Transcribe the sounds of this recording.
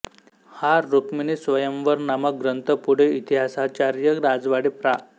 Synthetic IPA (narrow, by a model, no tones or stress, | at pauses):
haɾːukminesʋəjəmʋəɾnamək̚ɡɾənt̪əpuɽ̤eit̪iɦasat͡ɕaɾjəɾad͡zʋaɽepɾa